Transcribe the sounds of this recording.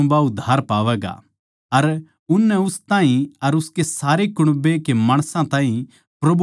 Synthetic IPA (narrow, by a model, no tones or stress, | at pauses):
baʊd̪ʱːaːɾpaːʋɛːɡa̰ | ɐɾ | ʊnːɛʊst̪ãːɦĩɐɾʊskesaːɾekʊɽ̃bekemaːɽ̃sãt̪ãːɦĩ | pɾɐbʱ